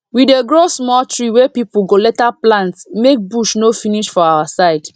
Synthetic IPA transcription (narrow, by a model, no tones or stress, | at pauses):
wideɡɹosmɔltɹiwepipuɡolɛtaplãntsmek̚buʃnofiniʃfɔawasaɪd